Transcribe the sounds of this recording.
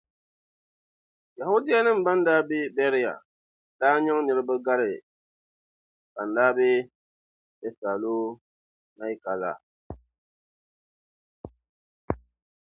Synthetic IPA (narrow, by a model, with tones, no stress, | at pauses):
ja˨hʊ˦dɪ˦ja˦nɨ˦m̩˨ba˦n˦daː˦be˦bɛ˦ɾɪ˦ja̰˨ | daː˦ɲɛ˦ŋ˦nɨ˦ɾɨ˦bɨ˦ɡa˦ɾɪ˨ | ka˨n̩˨daː˦be˦ | bɛ˦sa˨lo˦ | na˦i˦ka˨la̰˨